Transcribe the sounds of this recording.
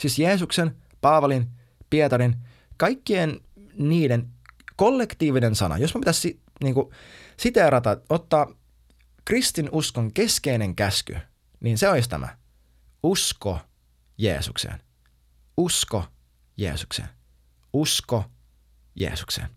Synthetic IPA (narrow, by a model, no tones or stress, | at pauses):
sisjeːsuksen | pɑːʋɑlin | piet̪ɑɾin | kɑjkːien | niːdenkolːe̞kt̪iːʋinensɑnɑ̰josmæpit̪æsi | niːŋkusit̪eɾɑt̪ɑot̪ːɑː | krist̪inʔuskoŋke̞skeineŋkæsky̰ | niːnseois̬t̪æ̰mʔæ̰ | usko | jḛːsuksḛn | usko | jḛːsuksḛn | usko | jḛːsu̥ksḛn